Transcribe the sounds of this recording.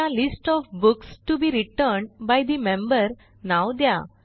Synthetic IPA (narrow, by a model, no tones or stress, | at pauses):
alisʈɔfbuksʈubiːɾiʈəɾɳɖbajd̪imẽmbəɾ | nawd̪ja̰